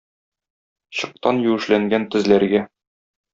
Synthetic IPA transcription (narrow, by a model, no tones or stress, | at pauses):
ɕɤ̆q̚t̪ɑnjʉ̆wɘ̆ʃlæŋɡænt̪ɘ̆zlæɾɡæ